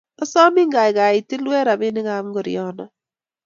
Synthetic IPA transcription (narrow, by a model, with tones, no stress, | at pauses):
ɔ˦sɔ˦mɪ˦ŋɡa˨ɪ˨ɣa˨i˨tɪ˦lwɛ˦ɾa˨bɪ˦nɪ˦ɣa˨˦m˦ɡo˨ɾḭɔ˦nɔ˨